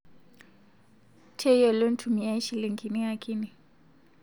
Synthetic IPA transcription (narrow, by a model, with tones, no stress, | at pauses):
tʰɛ˦jɔ˨lo˦n̩˦tʰu˨mi˨a˦i˦ʃi˨li˨ŋɡi˨ni˦a˨kʰi˦ni˨